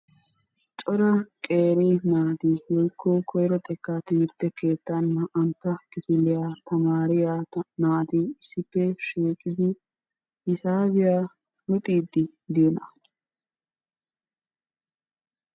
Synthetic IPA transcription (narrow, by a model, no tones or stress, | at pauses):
t͡ʃʼɔɾɐkʼe̞ːɾiːnaːt̪iwɔjkʰːoːkʰɔjɾɔt̪ʼɛkːaːt̪iːɾt̪ːɛkeːt̪ːanːɐʔːnt̪ːɐkɪfɪlːɪjaːt̪ɐmaːɾɪjaːnaːt̪ɪsɪpːɛʃeːkʼːɪd̪ɪ | ɪsaːβɪjaː | lʊt̪ʼiːd̪ːɪ | d̪ɪjɔnɐ̰